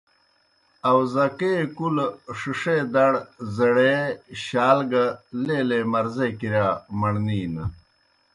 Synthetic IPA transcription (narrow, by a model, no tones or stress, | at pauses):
ɐwzɐkekulʂiʂed̪ɐɽzɐɽeɕaːlɡɐleːlemɐɾzekiɾamɐɳniːnɐ